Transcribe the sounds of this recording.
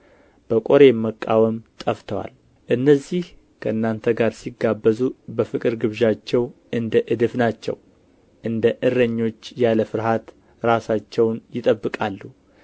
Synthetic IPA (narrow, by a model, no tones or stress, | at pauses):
b̥əkʼoɾe̞mːəkʼːawəmt̪ʼəft̪ʰəwa̰l | ʔɨnːəzːih | kʰəʔɨnːant̪ʰəɡaɾsiɡabːəzubəfɨkʼɨɾɡɨβʒat͡ʃːɛwʔɨnd̪əʔɨd̪ɨfnat͡ʃːɛ̰w | ʔɨnd̪əʔɨrːəɲːo̞t͡ʃːjaləfɨɾɦat̪ | ɾasat͡ʃːɛwnjɪt̪ʼəbːɨkʼalːu